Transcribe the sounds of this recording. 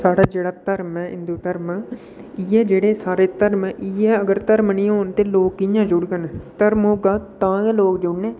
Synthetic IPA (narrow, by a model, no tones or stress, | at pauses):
saːɽaːd͡ʒeːɽaːt̪əɾmɛːɪ̰̃nd̪uːt̪əɾmaː | iːɛːd͡ʒeːɽeːsaːɾeːt̪əɾmɛːʔiːɛːəɡəɾt̪əɾmnĩːɦoːnt̪eːloːkijãːd͡ʒʊɽɡənɛt̪əɾmoːɡaːt̪ãːkɛːloːkd͡ʒʊɽneː